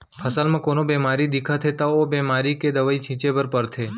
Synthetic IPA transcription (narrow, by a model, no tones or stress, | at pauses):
pʰəsalmãːkonobɛmaɾid̪ikʰat̪ʰet̪aobɛmaɾiked̪əʋait͡ʃʰĩt͡ʃebəɾpəɾt̪ʰeː